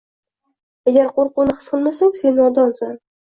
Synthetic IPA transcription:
aɡʲaɾqoɾqʊnɪχɨ̥sqɨlˠmasaŋse̞nɒd̪ɒnsan

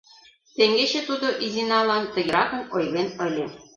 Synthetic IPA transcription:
t̪eŋɡet͡ɕĕt̪ud̪oʔizinɑlɑnt̪ə̆ɣʲiɾɑkɤ̆mojlenə̆lʲĕ

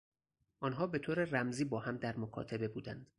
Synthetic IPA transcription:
ʔɒːnɦɒːbe̞t̪ʰoːɾeræmziːbɒːhæmd̪æɾmokʰɒ̰ːt̪ʰebe̞buːd̪æ̰nd̪̥

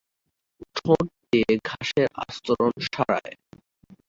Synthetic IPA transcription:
ʈʰoʈʈiɡʱaʃeɾast̪oɾonʃaɾa̰e

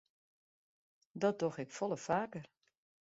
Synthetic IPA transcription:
dɔt̚doxɛkfɔlˠəfaːkər

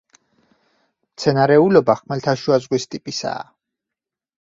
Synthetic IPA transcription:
mt̪sʰɛnaɾɛulɔbaχmɛlt̪ʰaʃuazʁwist̪ʼipʼisa̰ː

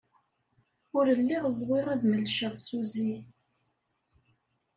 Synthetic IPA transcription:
ʊɾəlːiʁəzˤwɪʁæðməlʃəʁsuzi

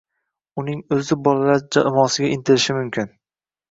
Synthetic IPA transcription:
ʊnɪŋɵzɪbɒlalaɾd͡ʒaɪmɒsɪɡʲaʔɪnt̪ʰɪlɪʃɪmʊmkʲʰɪn

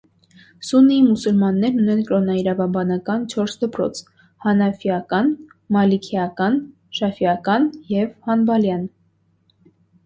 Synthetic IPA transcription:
suniimusulmɑnːɛɾnunɛnkɾɔnɑiɾɑvɑbɑnɑkɑnt͡ʃʰɔɾsd̪əpɾɔ̰t͡sʰ | hɑnɑfjɑkɑn | mɑlikʰiɑkɑn | ʃɑfiɑkɑnjɛvhɑnbɑljɑn

